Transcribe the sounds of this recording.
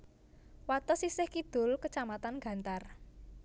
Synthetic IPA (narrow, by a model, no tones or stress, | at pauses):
wat̪ɔsisɪhkid̪̥ʊ̤lkət͡ʃamat̪anɡ̥a̤nt̪ar